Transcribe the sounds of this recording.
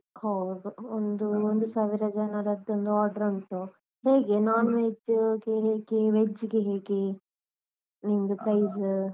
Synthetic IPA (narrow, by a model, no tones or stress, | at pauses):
hɐwd̪uond̪uond̪usaːʋiɾɐd͡ʒɐnɐɾɐd̪ond̪uaːɾɖɐɾɐɳʈu | heːɡenaːned͡ʒɡeɦeːɡeʋed͡ʒːɡeɦeːɡe | nind̪upɾɐjz